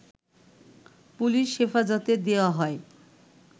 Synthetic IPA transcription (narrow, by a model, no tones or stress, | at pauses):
puliʃːefad͡ʑot̪ed̪eoaɦɔe